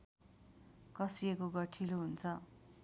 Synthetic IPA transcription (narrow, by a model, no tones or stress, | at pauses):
kʌsiekoɡʌʈʰiloɦunt͡sʰʌ